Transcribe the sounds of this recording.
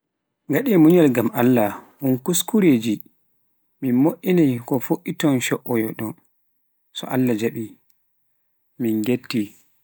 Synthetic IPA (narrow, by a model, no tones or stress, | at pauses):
ŋɡaɗɛmuɲalɡamʔalːaʔunkuskuɾeːd͡ʒi | minmoʔinajkɔfoʔːitɔnʃɔʔɔjɔɗɔn | sɔ̰ʔalːad͡ʒaɓi | minɡetːi